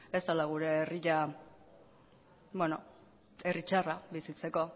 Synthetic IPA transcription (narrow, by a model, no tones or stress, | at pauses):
e̞st̪alaɣ̞uɾe̞ːriʎa | bweno | erit͡ʃaraβisit͡se̞ko̞